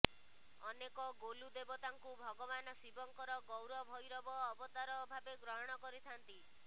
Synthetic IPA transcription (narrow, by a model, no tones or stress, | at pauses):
ɔnekɔɡolud̪ebɔt̪aŋkubʱɔɡɔbanɔsibɔŋkɔɾɔɡɔwɾɔbʱɔjɾɔbɔːbɔt̪aɾɔbʱabeɡɾɔɦɔɽ̃ɔkɔɾit̪ʰant̪i